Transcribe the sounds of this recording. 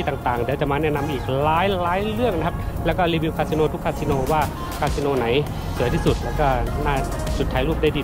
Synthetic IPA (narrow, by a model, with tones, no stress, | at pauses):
iː˧t̪aː˨˩ŋt̪aː˨˩ŋdɯː˧˦˥t͡ɕa˨˩maː˧nɛː˥˩˨na˧mʔiː˨˩k̚laː˦˥jlaː˨˦˥jlɯ˥˩əŋna˧kʰa˦˧˥p̚lɛː˦˥wkɔː˥˩liː˧bi˧wkʰa˧si˧noː˧t̪ʰu˦˥kʰːaː˧˥si˧noː˧waː˧˥˩ | kʰaː˧˥si˧noː˧na˩˦j | sʰɯ˨˩˦t̪ʰiː˥˩su˨˩t̪̚lɛː˦˧˩wkɔː˧˥˩naː˥˩ | t͡ɕu˨˩t̪ʰːaː˨˧˦jluː˥˩p̚da˥˩jdiː˧